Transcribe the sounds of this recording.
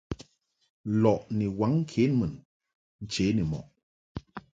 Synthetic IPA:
lɔ˨ʔni˨wa˨˦ŋ̩˦kʰe˨˦nmə˨n | n̩˨t͡ʃe˨˦ni˨mɔ̰˨ʔ

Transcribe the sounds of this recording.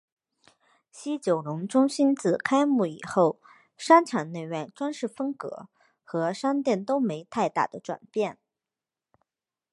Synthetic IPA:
ɕi˥t͡ɕjo˨˩ʊlʊ˧˥ŋʈ͡ʂʊ˥ŋɕi˥nt͡sɹ̩˥˩kʰa˥ɪmu˥˩ḭ˨˩xo˥˩ʊ | ʂa˥nʈ͡ʂʰa˨˩nne˥˧ɪɥɛ˥˩nʈ͡ʂwa˥nʂɻ̩˥˩fɤ˥ŋkɤ̰˧˥ | xɤ˧˥ʂa˥nt̪jɛ˥˩nt̪o˥ʊme˧˥ɪt̪ʰa˥˧ɪt̪a̰˥˩d̪ə˩ʈ͡ʂwa̰˨˩npjɛ˥˩n

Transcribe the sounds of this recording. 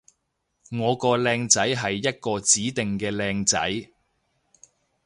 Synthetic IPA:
ŋɔː˨˧kɔː˧lɛː˧ŋt͡sɐ˨˥jɦɐ˨jːɐ˥t̚kɔː˧t͡siː˨˥t̪ɪ˨ŋkɛː˧lɛː˧ŋt͡sɐ̰˨˥j

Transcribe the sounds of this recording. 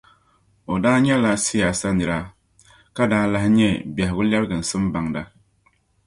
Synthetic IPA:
o˨daː˦ɲɛ˦la˨sɪ˦ja˨sa˦nɨ˨ɾa˦ | ka˦daː˦la˨hɪ˦ɲɛ˦bɛ˨hɪ˨ɡʊ˦lɛ˦bɡɨ˨n̩˨sɨ˦m˦ba˨ŋda˦

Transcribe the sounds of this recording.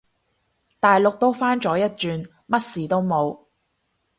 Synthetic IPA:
t̪aː˨jlʊ˨k̚t̪o˥wfaː˥nt͡ʃɔː˨˥jɐ˥t̚t͡ʃyː˨˧n | mɐ˥t̚siː˨t̪o˥wmo˨˧w

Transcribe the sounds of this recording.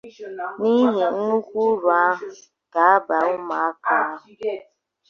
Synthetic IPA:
ni˦ɦe˨n̩˦nu˦kʷu˦ɾa˨a˦ɦ | ɡ̥a˨a˦ba˨ʊ˦ma˨a˦ka˦˨

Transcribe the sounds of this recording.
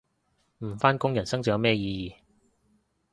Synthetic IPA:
m̩˨˩faː˥nkʊ˥ŋjɐ˨˩nsɐ˥ŋt͡si˨˩˨mɛː˥jiː˧jiː˨

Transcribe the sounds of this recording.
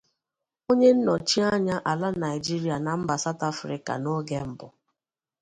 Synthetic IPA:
o˦ɲe˦n̩˦nɔ˨t͡ʃi˦a˦ɲa˦ʔa˨la˦na˨ɪ˨d͡ʒi˦ɾi˦a˨na˨m̩˦ba˨sa˦ta˦fɾḭ˨ka̰˨no˦ɡe˦m̩˦bʊ˨

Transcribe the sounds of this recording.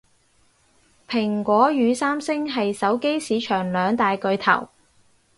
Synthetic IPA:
pʰɪ˨˩ŋkʷɔː˨˥jyː˨˧saː˥msɪ˥ŋɦɐ˨jsɐ˨˥wke˥jsiː˨˧t͡ʃʰœː˨˩ŋlœː˨˧ŋt̪aː˨jkɵ˧ɥt̪ʰɐ̰˨˩w

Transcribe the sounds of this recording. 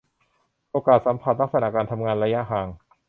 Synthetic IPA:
ʔoː˧kaː˨˩t̪̚sa˩˦mpʰa˧˩t̪̚la˦˥˩k̚sa˧na˧˩kaː˧nt̪ʰa˧mŋaː˧nɾa˧ja˦˥ʔɦaː˧ŋ

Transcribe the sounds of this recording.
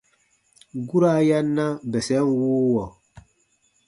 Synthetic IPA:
ɡu˦ɾa˦ja˦nːa˦bɛ˨sɛ˨˦ŋwuː˦wɔ˨

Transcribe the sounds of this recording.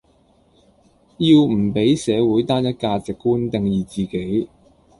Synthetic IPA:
jiː˧wm̩˨˩pe˨˥jsɛː˨˧wuː˨˥jt̪aː˥njɐ˥t̚kaː˧t͡sɪ˨kːuː˥nt̪ɪ˨ŋjiː˨˩t͡siː˨ke˨˥j

